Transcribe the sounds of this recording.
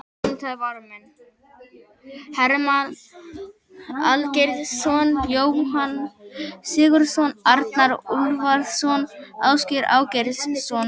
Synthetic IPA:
nt̪ʰaðvaɾmɛn | hɛɾman | alcejɾðsɔnjoːwhansɪːɣʏɾ̥sɔnaɾt̪naɾulvaɾðsɔnawscʏɾa̰ːwceɾðssɔn

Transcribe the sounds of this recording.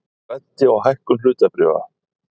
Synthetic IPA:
vat̪ːɪawɦajhkʏmlʏːt̪apɾʏːva̰

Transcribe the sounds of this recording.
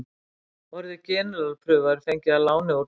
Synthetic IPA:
vɔɾðɪcɛːnʏlalpʰɾʏːɣaɾɪ̥fejɲcɪalaːwnɪɔ

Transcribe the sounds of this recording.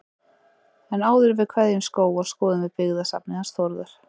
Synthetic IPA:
ɛnaːwðʏɾvɪðkʰvɛðjɪnskoːwḁskɔːðʏnvɪðpɪɣðasa̰pnɪhansθɔɾðʏɾ̥

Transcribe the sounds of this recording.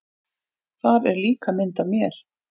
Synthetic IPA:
θaɾɛɾliːkamɪnt̪avmjɛɾ̥

